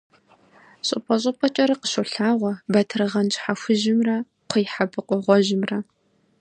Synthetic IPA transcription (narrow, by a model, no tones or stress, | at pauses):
ɕʼɪpʼɐɕ̬ʼɪpʼɐt͡ʃʼɐɾɐqə̥ʃoɬaːʁʷɔbɐtʰrɨʁɐnt͡ʃʼħaxʷʊʒɪmrɐ | qʷʰəjħabɨqʷʼɔʁʷɔʒɪmrɐ